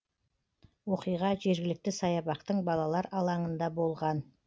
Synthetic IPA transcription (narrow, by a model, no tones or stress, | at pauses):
wo̞qijʁɑʒe̞ɾɡʲɪlɪk̚t̪ɪsɑjɑbɑqt̪əɴbɑlˠɑlˠɑɾɑlˠɑɴənd̪ɑbo̞lˠʁɑn